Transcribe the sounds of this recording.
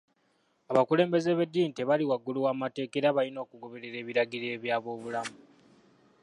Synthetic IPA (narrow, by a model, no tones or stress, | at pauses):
aβakule̞ːmbe̞ze̞βe̞dːiːnte̞βaliwaɡːuluwaːmate̞ːkeɾaβalino̞ːkuɡo̞βe̞ɾe̞ɾe̞ːβiɾaɡiɾe̞ːβjaːβo̞ːβulamu